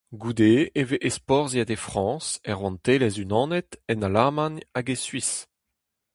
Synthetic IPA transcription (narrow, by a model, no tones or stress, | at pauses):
ɡud̪eeveʔespɔʁziad̪efχɑ̃ːsɛʁwɑ̃nt̪elɛzynɑ̃ːnɛt̪ɛnalaʁmanaɡesɥis